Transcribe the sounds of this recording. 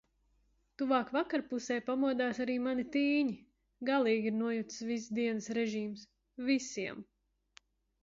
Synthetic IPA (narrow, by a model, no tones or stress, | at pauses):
t̪uvaːkvakaɾpusɛjpamuɔd̪aːsaɾiːmanit̪iːɲi | ɡalˠiːɡʲiɾnuɔjut̪svisd̪iɛnɐsɾɛʒiːms | visiɛm